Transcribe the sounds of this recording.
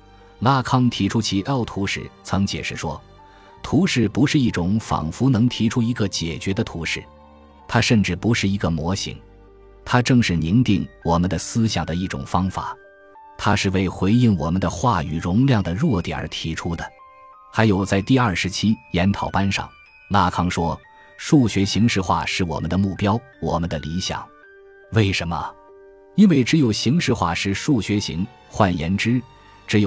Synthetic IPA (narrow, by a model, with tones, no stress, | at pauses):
la˥˩kʰɑ˥ŋt̪ʰi˧˥ʈ͡ʂʰu˥t͡ɕʰi˧˥t̪ɑ˥˩ʊt̪ʰu˧˥ʂɻ̩̰˥˩˦t͡sʰɤ˧˥ŋt͡ɕjɛ̰˨˩ʂɻ̩˥˩ʂwɔ˥ | t̪ʰu˧˥ʂɻ̩˥˩pu˧˥ʂɻ̩˥˧i˥˩ʈ͡ʂʊ˨˩˦ŋfɑ̰˨˩ŋfu˧˥nɤ˧˥ŋt̪ʰi˧˥ʈ͡ʂʰu˥i˧˥ɡə˧t͡ɕjɛ˨˩t͡ɕɥɛ˧˥d̪ə˧t̪ʰu˧˥ʂɻ̩˥˩ | t̪ʰa˥ʂə˥˧nʈ͡ʂɻ̩˥˩pu˧˥ʂɻ̩˥˩i˧˥ɡə˧mwɔ˧˥ɕḭ˧˥ŋ | t̪ʰa˥ʈ͡ʂɤ˥˧ŋʂɻ̩˥˩ni˧˥ŋt̪i˥˩ŋwɔ˨˩mə˧˦nd̪ə˧sɹ̩˥ɕjɑ˨˩ŋd̪ə˦i˥˩ʈ͡ʂʊ̰˨˩ŋfɑ˥ŋfa̰˨˩˦ | t̪ʰa˥ʂɻ̩˥˧we˥˩ɪxwe˧˥ɪi˥˩ŋwɔ˨˩mə˨˦nd̪ə˧xwa˥˩y̰˨˩ɻʊ˧˥ŋljɑ˥˩ŋd̪ə˩ɻwɔ˥˩t̪j̰ə˥t̪ʰi˧˥ʈ͡ʂʰu˥d̪ə˨ | xa˧˥ɪjo˨˩ʊt͡sa˥˧ɪt̪i˥˧ɐ˞˥˩ʂɻ̩˧˥t͡ɕʰi˥jɛ˧˥nt̪ʰɑ˨˩ʊpa˥nʂɑ̰˥˩ŋ | la˥˩kʰɑ˥˩ŋʂwɔ˥ | ʂu˥˩ɕɥɛ˧˥ɕi˧˥ŋʂɻ̩˧xwa̰˥˧ʂɻ̩˥˩wɔ̰˨˩mə˦nd̪ə˧mu˥˩pjɑ˥ʊ | wɔ˨˩mə˦nd̪ə˧li˧˥ɕjɑ̰˨˩˦ŋ | we˥˩ɪʂə˧˥nmə̰˧ | i˥nwe˥˩ɪʈ͡ʂɻ̩˧˥jo˨˩ʊɕi˧˥ŋʂɻ̩˧˥xwa̰˥˩ʂɻ̩˥˧ʂu˥˩ɕɥɛ˧˥ɕḭ˧˥ŋ | xwa˥˩njɛ̰˧˥nʈ͡ʂɻ̩˥ | ʈ͡ʂɻ̩˧˥jo˨˩